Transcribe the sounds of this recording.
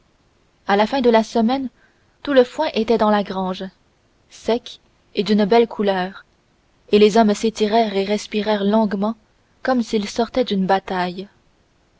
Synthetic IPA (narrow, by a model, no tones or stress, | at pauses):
alafɛ̃d̪əlasəmɛn | t̪uləfwɛ̃ʔet̪ɛd̪ɑ̃laɡʁɑ̃ːʒ | sɛk | ed̪ynbɛlkʰulœːʁ | elezɔmset̪iʁɛːʁeʁɛspiʁɛːʁlɔ̃ɡmɑ̃ | kɔmsilsɔʁt̪ɛd̪ynbat̪aj